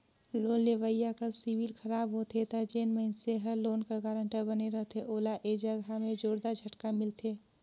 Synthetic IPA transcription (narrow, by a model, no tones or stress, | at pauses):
loːnleʋəjːakəsiwilxʰəɾaːbɦot̪ʰet̪ad͡ʒeːnməɪnseɦəloːnkaɡaːɾə̃ɳʈəbəneɾəɦt̪ʰeʔoːlaʔeːd͡ʒəɡamẽd͡ʒoːɾd̪ad͡ʒʱəʈkamɪlt̪ʰeː